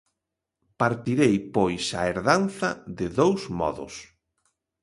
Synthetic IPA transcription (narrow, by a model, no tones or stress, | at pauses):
paɾt̪iɾejpojsaeɾðanθɐðɪðowsmɔ̰ðʊ̰s